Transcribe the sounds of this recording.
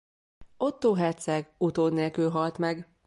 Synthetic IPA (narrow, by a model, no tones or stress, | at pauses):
o̞t̪ːoːɦɛrt̪sɛɡut̪oːnːeːlkylɦɒlt̪mɛɡ